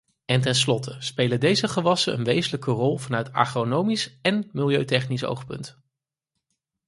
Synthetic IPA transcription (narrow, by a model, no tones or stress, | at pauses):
ɛntɛnslɔtʰəspejlədejzəχəʋɑsənə̰nʋejzələkərɔlˠvɑnœɥtɑ̰χronowmisɛnmɪlˠjøɥtɛχniso̰wχpɵ̰nt